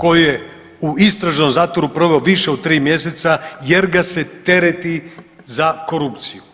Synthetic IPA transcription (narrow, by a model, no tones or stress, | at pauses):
ko̞jije | uist̪ɾaʒno̞mzaːt̪ʋo̞ɾupɾoʋe̞oʋiʃeod̪̚t̪ɾiːmje̞se̞t̪saje̞ɾɡase̞t̪e̞ɾet̪i | zako̞ɾupt̪siju